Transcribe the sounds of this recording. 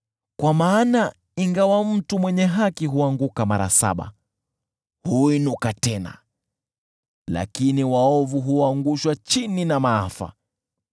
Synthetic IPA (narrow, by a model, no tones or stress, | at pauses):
kwamaːna | iŋɡawam̩tumwɛɲɛɦakiɦuaŋɡukamaɾa̰sa̰ɓa̰ | huinukatɛna̰ | la̰kiniwaɔvuɦuaŋɡuʃwat͡ʃininamaafa̰